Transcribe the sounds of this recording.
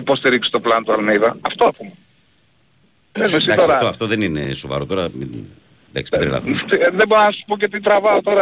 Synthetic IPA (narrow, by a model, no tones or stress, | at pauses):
ipo̞st̪iɾiksi̥t̪o̞plɐnt̪uɐlmiðɐːft̪oɐpume | nemesid̪ɐkt̪sɾɐɐoɐft̪oðeninesovɐ̰ɾot̪o̞ɾɐmi | d̪ɐ̰ksp̪ɾḭlɐ̰vt̪iðeboɾonɐsu̥pocet̪it̪ɾɐvɐot̪o̞ɾɐ